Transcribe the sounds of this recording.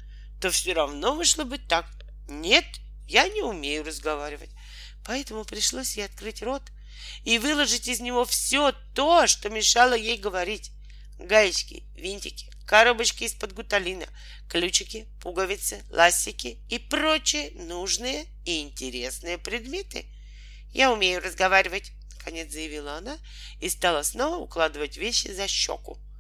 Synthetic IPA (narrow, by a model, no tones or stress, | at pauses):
t̪o̞fsʲoɾɐvno̞mɨʂlˠəbɨt̪ːak | nʲe̞t̪ | janʲɪʊmʲejʊrəzɡɐvaɾʲɪvə̰tʲ | pɐɛt̪əmʊpɾʲɪʂlˠo̞sʲjejɐt̪̚kɾɨtʲro̞t̪ | ivɨlˠəʐɨtʲɪzʲnʲɪvo̞fsʲo̞t̪o̞ʂt̪o̞mʲɪʂalˠəjejɡəvɐɾʲitʲ | ɡajɪt͡ɕkʲɪ̰ | vʲinʲtʲɪkʲɪ̥kɐɾobət͡ɕkʲɪːspəd̪ɡʊt̪ɐlʲinə | klʲut͡ɕɪkʲɪpuɡəvʲɪt̪sɨlˠʔasʲːɪkʲɪ | ɪpɾo̞t͡ɕɪjənuʐnɨjə | ɪɪnʲtʲɪɾʲe̞snɨjəpɾʲɪd̪mʲe̞t̪ɨ̰ | jaʊmʲejʊrəzɡɐvaɾʲɪvətʲ | nəkɐnʲet̪szəjɪvʲilˠəɐna | ɪst̪alˠəsno̞vəʊ̰klˠad̪ɨvətʲvʲeɕːɪ̰zɐɕːo̰kʊ̰